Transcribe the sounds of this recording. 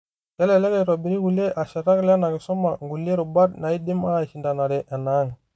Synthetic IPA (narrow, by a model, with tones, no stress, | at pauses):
kɛ˦le˨le˦ke˨ɾo˨bi˨ɾi˦ɡu˨le˦ʔa˨ʃa˨ɾa˦kla˦na˨ɡe˨so˦ma˨ŋɡu˨le˦ɾu˨ba˦dna˨i˦di˦ma˦˨ʃi˨nda˨na˨ɾe˨ʔɛ˨na˨˦ŋ